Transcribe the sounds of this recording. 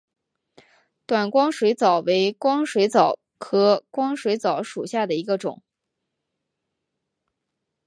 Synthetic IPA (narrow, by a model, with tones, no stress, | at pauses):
t̪wa˨˩nkwɑ˥ŋʂwe˧˥ɪt͡sɑ˨˩ʊwe˧˥ɪkwɑ˥ŋʂwe˧˥ɪt͡sɑ˨˩˦ʊ | kʰɤ˧˥kwɑ˥ŋʂwe˧˥ɪt͡sɑ˨˧˩ʊʂu˨˩ɕja˥˩d̪ə˩i˧˥ɡə˧ʈ͡ʂʊ̰˨˩˦ŋ